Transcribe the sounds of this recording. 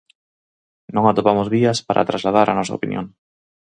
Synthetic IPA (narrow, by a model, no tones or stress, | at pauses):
nõŋat̪opamozβiɐspaɾʔa̰t̪ɾazlað̞aɾʔa̰nɔsɐ̰o̰pinjõŋ